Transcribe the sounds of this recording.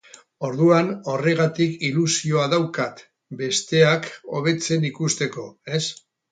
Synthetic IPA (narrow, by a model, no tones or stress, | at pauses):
o̞ɾðuano̞re̞ɣat̪ikilusio̞aðawkat̪ | be̞st̪e̞ako̞̰β̞e̞t͡se̞nikust̪e̞ko̞e̞s